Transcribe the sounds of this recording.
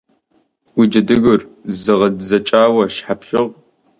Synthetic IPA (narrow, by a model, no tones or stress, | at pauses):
wid͡ʒɐdɨɣɨrzɨʁɐdzɐt͡ʃʼaːwɐʃħapʰɕɪʁ